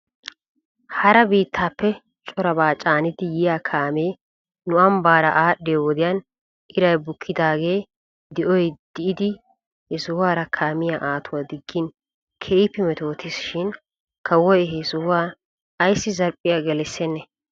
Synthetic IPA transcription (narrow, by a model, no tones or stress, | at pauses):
hɐɾɐbiːt̪ʰːaːpːɛ | t͡ʃʼɔɾɐbaːt͡ʃʼaːnɪd̪ɪjɪjaːkʰaːmeː | nʊʔɐmbaːɾɐ̰ʔaːɗːeːwɔd̪ɪjaːn | ʔɪɾɐjbʊkʰːɪd̪aːɡe̞ː | d̪ɪʔɔjd̪̥ɪʔɪd̪ɪ | hɛsʊhʊaːɾɐkʰaːmɪjaːʔaːt̪ʊwaːd̪ɪɡːɪn | kʰeːɪpːɪmɛt̪o̞ːt̪ɪsʃɪn | kɐwɔjɛɦɛsʊhʊwaː | jsːɪzɐɾpʼːɪjaɡɛlɛsːɛnːɛ